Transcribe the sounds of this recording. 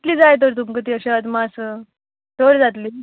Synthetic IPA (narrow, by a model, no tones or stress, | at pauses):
t̪liːd͡zajt̪̬əɾt̪̬umkət̪iːəɕeəd̪masə | t̪oɽd͡zat̪liː